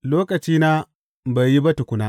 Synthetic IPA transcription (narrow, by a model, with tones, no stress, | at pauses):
loː˦kɐ˨t͡ʃiː˦naː˦ | ba˨ji˦ba˦tu˨kʷʊ˦naː˦